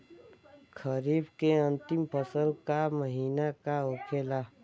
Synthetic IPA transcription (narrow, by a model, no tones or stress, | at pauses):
kʰəɾiːbkeə̃nt̪ɪmpʰəsəlkaməɦiːnakaokʰeːla